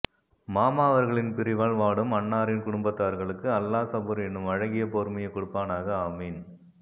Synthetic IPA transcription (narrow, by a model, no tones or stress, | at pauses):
maːmaːʋɐɾɣɐɭɪnpɪɾɪʋaːɭʋaːɽɯmɐɳːaːɾɪnkʊɽʊmbɐt̪ːaːɐɾɣɐɭɯkːɯɐlːaːsɐbuɾɛnːɯmɐɻɐŋɡɪjɐpoːɾmɐjɐkːʊɽʊpːaːnaːɣɐɐmiːn